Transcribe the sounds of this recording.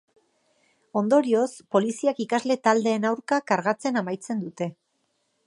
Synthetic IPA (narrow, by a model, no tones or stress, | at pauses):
o̞nd̪o̞ɾio̞spo̞lisiakikazle̞t̪ald̪e̞ːnawɾkakaɾɣat͡se̞namajt͡se̞nd̪ut̪e̞